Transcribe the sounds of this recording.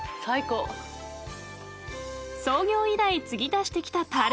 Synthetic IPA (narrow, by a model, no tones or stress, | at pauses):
saiko | so̞ːɡʲo̞ːid̪ait͡sɨɡʲid̪aɕi̥t̪e̞kʲi̥t̪at̪aɾ